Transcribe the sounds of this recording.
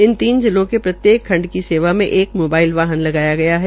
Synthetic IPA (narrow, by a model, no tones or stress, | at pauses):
ɪnt̪iːnd͡ʒɪlõkepɾɐt̪jeːkʰːɐ̃ɳɖkiseːʋamḛ̃ʔeːkmoːbaːɪlʋaːɦənlɐɡaːjaɡɐjaɦɛ